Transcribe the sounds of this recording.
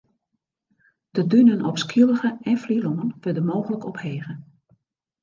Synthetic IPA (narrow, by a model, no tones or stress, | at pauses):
d̥ədynənɔpskilˠəɣəɛnfliloŋənʋødəmoːɣələkɔpheːɣə